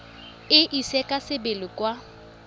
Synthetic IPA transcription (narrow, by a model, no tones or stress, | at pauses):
ɪʔisɛkʼasɪbɪlɪkwa